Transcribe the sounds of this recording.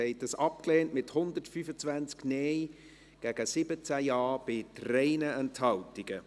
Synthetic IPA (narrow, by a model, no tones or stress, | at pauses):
ɛɪt̚dəsɑpkleːntmɪthʊndətfyfət͡svænt͡sknɛːj | ɡ̥æɡ̥əsɪbət͡sæjɑːb̥ɪtrɛɪnəɛnthɑltɪɡ̥ə